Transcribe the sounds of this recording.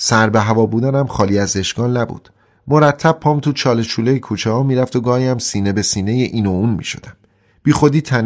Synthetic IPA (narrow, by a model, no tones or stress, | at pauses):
sæɾbe̞ɦævɒːbuːd̪ænæmχɒːliːæzeʃɡ̥ɒːnːæbṵd̪̥ | mo̞ɾæt̪ʰːæb̥̚pʰɒːmt̪ʰut͡ʃʰɒːlet͡ʃʰuːlejekʰuːt͡ʃʰehɒːmiːɾæft̪oɡɒːhiæmsiːne̞be̞siːnejeʔiːnouːnmḭːʃo̞̰d̪æm | b̥iːxo̞d̪iːt̪ʰæn